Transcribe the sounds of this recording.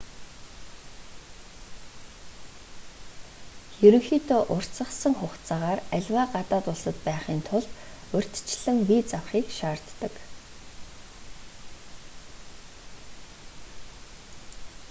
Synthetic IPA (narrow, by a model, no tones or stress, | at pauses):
xɵɾɵ̆ŋxiːt̪ʰoːʔʊr̥t͡sə̆χsə̆ŋχʊχt͡saːʁaːræɮʲwaːɢat̪aːt̪ʊɮsə̆t̪pæːχiːnt̪ʰʊɮt̪ | ɵr̥ʲt̪t͡ɕɮɘ̆ŋwiːt͡sawχiːkʃaːrt̪ːə̆k